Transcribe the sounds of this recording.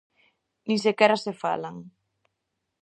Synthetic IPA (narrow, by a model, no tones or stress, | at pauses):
nĩsekɛɾasefa̰laŋ